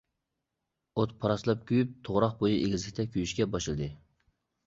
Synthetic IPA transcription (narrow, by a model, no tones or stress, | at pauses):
ot̪̚pʰɑɾɑslˠɑp̚kʲʰyjyp̚t̪ʰoʁɾɑqbojiʔeɡʲizlɪkʲt̪ʰɛkʲʰyjyʃkʲɛbɑʃɨlˠd̪ɨ